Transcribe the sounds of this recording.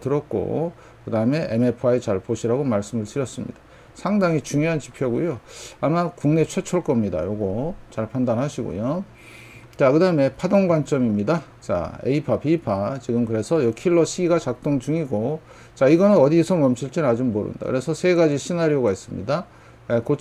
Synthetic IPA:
tɯɾʌt̚k͈o̰ | kɯdaɯme̞ʔḛmepʰaet͡ɕaɭpoɕʰiɾaɡomaɭs͈ɯmɯɭtɯɾjʌs͈ɯmɲḭd̥ḁ | sʰaŋdaŋit͡ɕuŋjoɦant͡ɕi̥pʰjʌɡujoamakuŋne̞t͡ɕʰwe̞t͡ɕʰʌɭk͈ʌmɲida̰joɡot͡ɕaɭpʰandanɦaɕʰiɡo̰jo | t͡ɕakɯdaɯme̞pʰadoŋɡwant͡ɕ͈ʌmimɲida | t͡ɕa̰ḛipʰapiːpʰat͡ɕiɡɯmkɯɾe̞sʰʌjokʰiɭːʌɕʰiiɡat͡ɕak̚t͈oŋt͡ɕuŋiɡo | t͡ɕaiɡʌnɯnʌdisʰʌmʌmɕʰiɭt͡ɕ͈enad͡ʑumːoɾɯ̰nda̰kɯɾe̞sʰʌsʰe̞ɡad͡ʑiɕʰinaɾioɡais͈ɯmɲḭda | ekot͡ɕ

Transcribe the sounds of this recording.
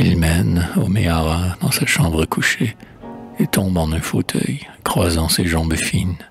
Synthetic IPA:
ilmɛnomeaʁad̪̥ɑ̃saʃɑ̃bʁəkʰuʃe | et̪ʰɔ̃bɑ̃nɛ̃fot̪ʰœ̰jkχwazɑ̃seʒɑ̃bfin

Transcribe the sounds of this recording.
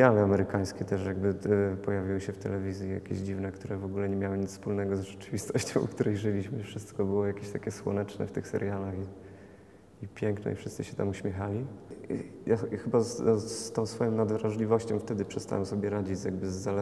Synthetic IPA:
jalɛamɛɾɘkaj̃skʲɛt̪ɛʂjaɡbɘpɔjavʲiwɘɕɛft̪ɛlɛvʲizʲjija̰kʲḛʑd͡ʑivnɛkt̪uɾɛvɔɡulɛɲɛmʲjawɘɲit̪spulnɛɡɔzʐɛt͡ʂɘvʲist̪ɔɕt͡ɕɔ̃w̃kt̪uɾɛjʐɘlʲiɕmɘfʂɘst̪kɔbɘwɔjakʲeɕt̪akʲɛswɔ̰nɛt͡ʂnɛ̰ft̪ɘxsɛ̰ɾjalaxi | ipʲjɛŋknɛ̰ifʂɨst̪sɘ̰ɕɛt̪amuɕmʲjɛxalʲi | jaxɘbasst̪ɔ̃w̃sfɔjɔ̃w̃nad̪vɾaʐlʲivɔɕt͡ɕɔ̃w̃ft̪ɛd̪ɘpʂɛst̪a̰wɛmsɔbʲjɛɾad͡ʑid͡ʑzjaɡbɘzːa

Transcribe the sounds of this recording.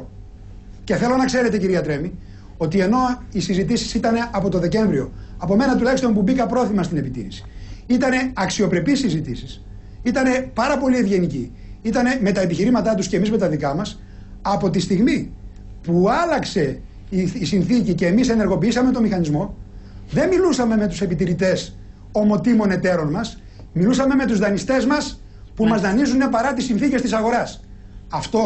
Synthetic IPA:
ce̞θe̞lo̞nɐkse̞ɾe̞t̪e̞ciɾiɐt̪ɾe̞mi | o̞t̪ie̞no̞isizit̪̬isi̥sit̪ɐne̞ʔɐpo̞t̪o̞ðe̞ce̞ɱvɾio̞ɐpo̞me̞nɐt̪̬ulɐjçst̪o̞mp̬ubikɐpɾo̞θimɐst̪ine̞pit̪ḭɾisi̥it̪ɐne̞ɐksio̞pɾe̞pisizit̪isis | it̪ɐne̞pɐɾɐpo̞lievʝe̞nici | it̪ɐne̞me̞t̪ɐepiçiɾimɐt̪ɐt̪uscemizme̞t̪ɐðikɐmɐs | ɐpo̞t̪ist̪iɣmi | puɐlɐkse̞ | iisinθicice̞ːmise̞neɾɣo̞piisɐme̞t̪o̞mixɐnizmo̞ | ðe̞nmilusɐme̞me̞t̪use̞pit̪iɾit̪e̞s | o̞mo̞t̪imo̞ne̞t̪e̞ɾo̞nmɐs | milusɐme̞me̞t̪uzðɐnist̪e̞zmɐs | pumɐzðɐnizune̞pɐɾɐt̪isːinθice̞st̪isɐɣo̞ɾɐs | ɐft̪o̞

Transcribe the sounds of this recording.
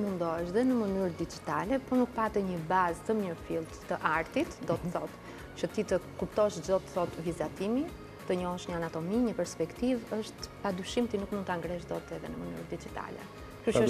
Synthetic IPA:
mund̪ɔɛʃðɛnəmənyɾd̪id͡ʒit̪alɛpɔnuk̚pat̪ɛɲəbazt̪əmɲəɾfilˠt̪ːəʔaɾt̪it̪d̪ɔt̪əθɔt̪ | t͡ʃət̪it̪əkupt̪ɔʃd͡ʒd̪ɔt̪θɔt̪vizat̪imi | t̪əɲɔhɛʃɲəanat̪ɔmiɲəpɛɾspɛkt̪ivəʃt̪pad̪yʃimt̪inukmund̪̚t̪aŋɡɾɛʃ̬d̪ɔt̪ɛðɛ̰nəməny̰ɾd̪id͡ʒit̪a̰lɛ̰ | kyʃə

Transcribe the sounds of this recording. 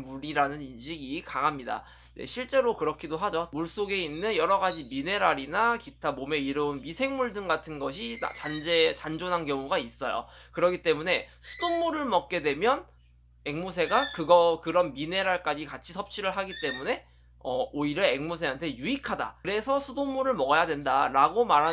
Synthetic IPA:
muɾiɾanɯninɕʰiɡikaŋamɲida̰ | nde̞̰ɕʰiɭt͡ɕ͈e̞ɾokɯɾʌkʰidoɦad͡ʑomuɭs͈oɡe̞inːɯnjʌɾʌɡad͡ʑimine̞ɾaɾinakitʰamomeiɾɯunmisʰe̞ŋmuɭdɯŋɡatʰɯnɡʌɕʰia̰t͡ɕand͡ʑet͡ɕand͡ʑonɦankjʌŋuɡais͈ʌjo̰kɯɾʌkʰit͈e̞mune̞sʰu̥domːuɾɯɭmʌk̚k͈e̞dwe̞mjʌn | eŋmusʰe̞ɡakɯɡʌkɯɾʌnmine̞ɾaɭk͈ad͡ʑikat͡ɕʰisʰʌp̚t͡ɕ͈ʰiɾɯɭɦaɡit͈e̞mune̞ | ʌoiɾjʌeŋmusʰe̞ɦantʰe̞juikʰada̰ɾe̞sʰʌsʰudomːuɾɯɭmʌɡʌjadwe̞ndaɾaɡomaɾɦa

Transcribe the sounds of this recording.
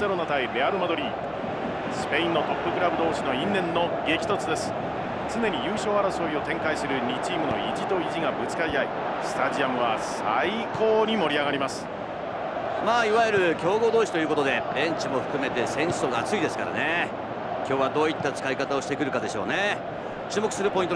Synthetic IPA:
e̞ɾo̞not̪aibe̞aɾɯ̟mad̪o̞ɾʲiː | sɨ̥pe̞ĩnːo̞t̪o̞pːɯ̟kɯ̟ɾabɯ̟d̪o̞ːɕino̞ĩnːẽ̞nːo̞ɡe̞kʲt̪o̞t͡sɨd̪e̞sɨ̥ | t͡sɨne̞ɲ̟ijɯːɕo̞ːaɾaso̞io̞t̪ẽ̞ŋkaisɨɾɯ̟ɲʲit͡ɕiːmɯ̟no̞id͡ʑit̪o̞iʑiɡabɯ̟t͡sɨ̥kaɾʲit̪ai | sɨ̥t̪aʑiamɯ̟βasaikʰoːɲ̟imo̞ɾʲiaɡaɾʲimasɨ̥ | maːiβajeɾɯ̟kʲo̞ːɡo̞ːd̪o̞ːɕi̥t̪o̞jɯ̟ːko̞t̪od̪e̞ɾẽ̞ɲt͡ɕimo̞ɸɯ̟̥kɯ̟me̞t̪e̞sẽ̞ɰ̃so̞ɡaːt͡sɨid̪e̞sɨ̥kaɾa̰ne̞ | kʲo̞ːβad̪o̞ːit̪ːat͡sɨ̥kaikat̪aoɕi̥t̪e̞kɯ̟ɾɯ̟kad̪e̞ɕo̞̰ːne̞ | t͡ɕɨːmokɯ̟sɨɾɯ̟po̞int̪o

